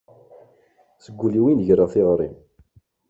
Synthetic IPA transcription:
səɡʷːuliwinʝɾəθiʁɾḭm

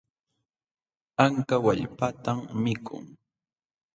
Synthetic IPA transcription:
aŋkawaʎpat̪amːɪkʰʊ̰ŋ

